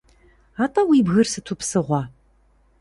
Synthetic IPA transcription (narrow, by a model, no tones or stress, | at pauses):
aːtʼɐwiːbɣɨrsɨtʰupsɨʁʷɑ